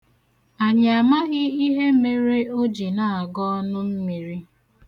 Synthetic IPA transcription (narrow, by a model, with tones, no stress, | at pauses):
a˨ɲ˨a˨ma˦ɣɪ˦i˦ɦe˦me˨ɾe˦o˦d͡ʒi˨na˨a˨ɡɔ˦ɔ˦nʊ˦m̩˦mi˨ɾi˦